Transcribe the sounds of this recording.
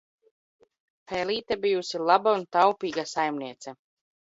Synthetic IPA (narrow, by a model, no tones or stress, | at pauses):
pɛːliːt̪ɛbijusilˠabaunt̪awpiːɡasajmniɛt̪sɛ